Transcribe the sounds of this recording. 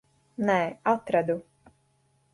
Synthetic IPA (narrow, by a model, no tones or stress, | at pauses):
nɛːat̪ɾad̪u